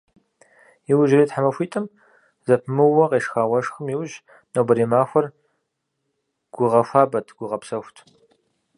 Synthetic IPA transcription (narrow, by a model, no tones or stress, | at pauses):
jiwʊʒriːtħamɐfʷiːtʼɨm | zɐpʰmɨwɐʁeːʂxaːwɐʂxɨmjiwʊʒ | nobɐɾiːmaːxʷɔr | ɡ̥ʷʊʁɐfʷaːbɐtʰɡ̥ʷʊʁɐpsɐxʷtʰ